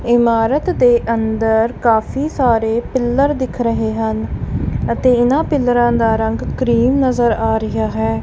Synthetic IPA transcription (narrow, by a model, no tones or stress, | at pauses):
ɪmaːɾət̪d̪eːʔənd̪əɾkaːpʰiːsaːɾeːpɪlːəɾd̪ɪkʰɾəɦeːɦənət̪eːɪnãːpɪlːɾãːd̪aːɾəŋɡkɾiːmnəzəɾaːɾɪɦaːɦɛː